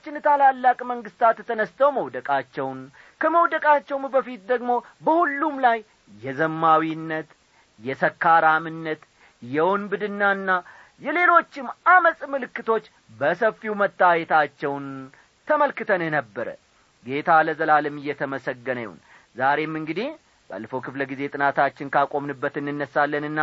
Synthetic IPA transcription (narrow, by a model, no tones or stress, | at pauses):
t͡ʃːɪnt̪ʰalalːakʼməŋɡɨst̪ʰat̪t̪ʰənəst̪ʰəwməwd̪əkʼat͡ʃːɛwn | kʰəməwd̪əkʼat͡ʃːɛwmbəfit̪̚d̪əɡmo̞ | bəhulːumlajː | ɛzəmːawinːət̪ | jɛsəkʰːaɾamɨnːət̪ | jɛwɔnbɨd̪ɨnːanːa | jɛle̞lo̞t͡ʃːɪmʔaməsʼmɨlɨkːɨt̪ʰo̞t͡ʃː | bəsəfːiwmət̪ːajɛt̪ʰat͡ʃːɛwn | t̪ʰəməlkɨt̪ʰənenəbːəɾə̰ | ɡe̞t̪ʰaləzəlalɨmɨjːɛt̪ʰəməsəɡːənə̰jṵn | zaɾe̞mːɨŋɡɨd̪ih | ba̰lːəfo̞kʰɨfləɡize̞t̪ʼɨnat̪ʰat͡ʃːɪnkʰakʼo̞mnɨbːət̪ɨnːɨnːəsalːənɨnːa